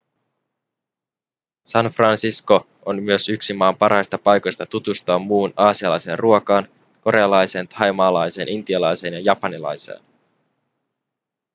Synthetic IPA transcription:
sɑnfrɑnsisko̞ | onmyøsyksimɑːmpɑrhɑjst̪ɑpɑjko̞jst̪ɑt̪ut̪ust̪oɑmːuːnɑːsiɑlɑjse̞ːnrʔuokɑːn | ko̞ɾe̞ɑlɑjseːnt̪ʰɑjmɑːlɑjse̞ːnʔint̪iɑlɑjse̞ːnjɑjɑpɑnilɑ̰jsḛːn

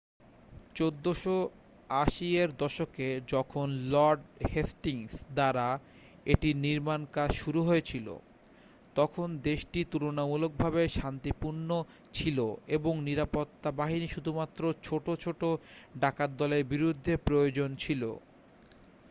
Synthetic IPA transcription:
t͡ɕod̪ːoʃo | aʃieɾd̪ɔʃoked͡ʑɔkʰonlɔɾɖhesʈiŋsd̪aɾa | eʈiniɾmankaʃuɾuɦoet͡ɕʰilo̰ | t̪ɔkʰond̪eʃʈit̪uɾonamulok̚bʱabeʃant̪ipuɾno | t͡ɕʰiloeboŋniɾapot̪ːabaɦiniʃud̪ʱumat̪ːɾot͡ɕʰoʈot͡ɕʰoʈoɖakad̪ːɔleɾbiɾud̪ʱːepɾojod͡ʑont͡ɕʰilo̰

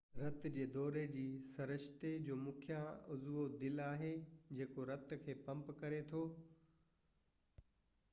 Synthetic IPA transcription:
ɾɐt̪d͡ʑeːd̪ɔːɾed͡ʑiːsɐɾɪʃt̪ed͡ʑoːmʊkʰɪjãʊzʋod̪ɪlaːɦed͡ʑeːkoɾɐt̪kʰeːpɐ̃mpkɐɾet̪ʰoː

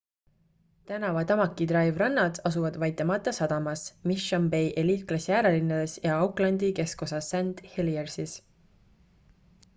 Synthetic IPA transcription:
t̪ænɑvɑt̪ɑmɑkːˑid̪̥rɑjvrɑnːɑd̪̥ɑsuvɑd̪̥vɑjt̪ːˑemɑt̪ˑːɑsɑd̪̥ɑmɑsmiʃɑmbejʔeliːklɑsjæːɾelinːɑd̪̥e̞sjɑɑwklɑnd̪ike̞sko̞sɑsænd̪̥heliersis

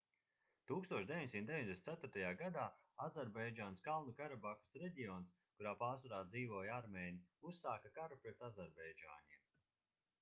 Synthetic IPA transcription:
t̪uːkst̪uɔʃd̪ʲeiɲsimt̪d̪eviɲd̪esnt̪æt̪ʊɾt̪ajaːɡad̪aːazɛɾbɛjd͡ʒaːnskalˠnukaɾabaku̥sɾeɟijɔns | kuɾaːpaːsaɾaːd̪ziːvuːjaɾmeːnʲiusːaːkakaɾupɾɛt̪azɛɾbɛjd͡ʒa̰ːɲiɛm

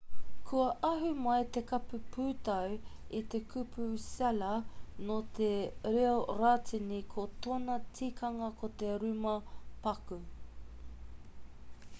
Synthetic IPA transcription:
kʰuɐʔɐɦumɐjt̪ekɐpupʰuːt̪ɐwit̪e̞kʰupusɛlɐnot̪ʰeɾeoɾaːtʰinikʰot̪onɐtʰikʰɐŋɐkot̪e̞ɾʉmɐpɐku

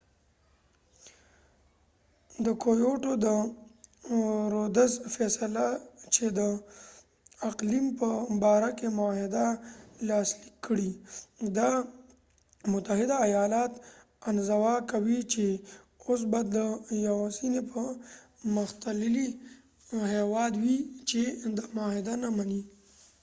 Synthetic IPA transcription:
d̪əkojoʈod̪ə | ɾod̪əzfɛsalat͡ʃed̪ə | aqlimpəbɑɾakemʊahɪd̪alɑslikʰːəɽid̪a | mʊt̪aɦɪd̪aːjɑlɑt̪ | anzawɑkawit͡ʃe | os̬bajd̪ːəjawasinepə | mʊxt̪alɪli | hewɑd̪wit͡ʃed̪əmʊhɪd̪anamani

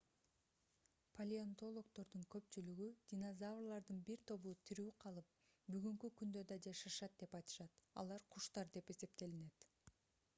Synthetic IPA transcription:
pʰolʲiant̪o̞lˠo̞kt̪o̞ɾd̪uŋkø̞pt͡ʃylyɡyd̪̥ʲinozavrlˠɑɾd̪ɯnbiɾt̪ʰo̞βuːt̪ʰiɾyːqʰɑlˠɯp̚ | byɡyŋkykynd̪ø̞d̪ɑd͡ʒɑʃɑʃɑt̪̚d̪e̞pɑjt̪ɯ̥ʃɑt̪ɑ̰lˠɑɾqʰuʃt̪ɑɾd̪e̞pe̞se̞p̚t̪e̞line̞t̪

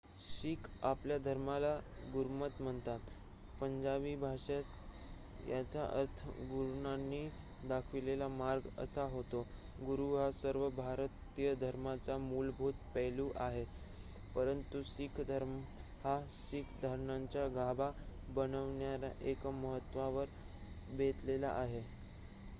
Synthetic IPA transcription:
ɕikʰapljad̪ʱəɾmalaɡuɾmət̪m̤əɳt̪at̪ | pəɲd͡ʑabibʱaʂet̪ | jat͡ɕjaʔə̰ɾt̪ʰəɡuɾɳanːi | d̪akʰʋilelamaɾɡə̰saɦot̪o | ɡuɾuɦasəɾʋəbʱaɾt̪ijəd̪ʱəɾmat͡samulbʱuːt̪pɛluːʔaɦe | pəɾənt̪usikʰd̪ʱəɾm | hasikʰd̪ʱəɾɳaɲt͡ɕjaɡʱababənəʋɳjaɾa̰ʔekməɦət̪ːʋaʋəɾ | bʱet̪lela̰ʔaɦe

